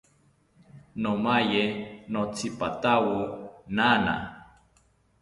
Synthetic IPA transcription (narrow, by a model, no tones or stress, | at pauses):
nomajenot͡sipat̪awunana̰